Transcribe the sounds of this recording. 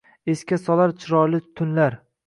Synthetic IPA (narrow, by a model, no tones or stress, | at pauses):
eskʲasɒlaɾt͡ʃʰɪɾɒɾlɪt̪ʰʊnlaɾ